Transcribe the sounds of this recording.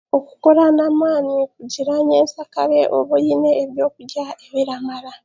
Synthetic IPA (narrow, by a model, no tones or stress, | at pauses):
o̞ku̥ko̞ɾanamwaːnikuɟiɾaɲeːnsakaɾe̞ʔoβujineːβjo̞ːkuɟaeβiɾamaɾa